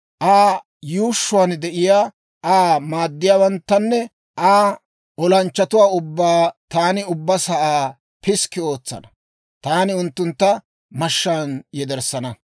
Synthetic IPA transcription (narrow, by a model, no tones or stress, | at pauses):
ʔaː | juːʃːʊwaːnd̪ɛʔɪjaː | ʔaːmaːd̪ːɪjaːwɐnt̪ːɐnːɛ | ʔaː | ʔɔlɐnt͡ʃːɐt̪ʊwaːʊbːaːt̪aːnɪʊbːɐsɐʔaː | pɪskːɪo̞ːt͡sːɐ̰nɐ | t̪aːnɪʊnt̪ːʊnt̪ːɐ | mɐʃːaːnjɛd̪ɛɾsɐnɐ